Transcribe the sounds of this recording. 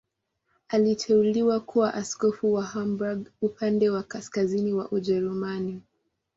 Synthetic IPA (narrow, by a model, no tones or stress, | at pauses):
alitʰɛuliwakʰuwaʔaskɔfuwahambaɡupʰandɛwakaskaziniwa̰ʔuʄɛɾumani